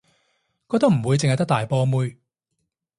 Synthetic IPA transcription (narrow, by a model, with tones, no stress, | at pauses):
kɔː˧k̚t̪ɐ˥m̩˨˩wuː˨˧jt͡sɪ˨ŋhɐ˨jt̪ɐ˥k̚t̪aː˨jpɔː˧muː˧j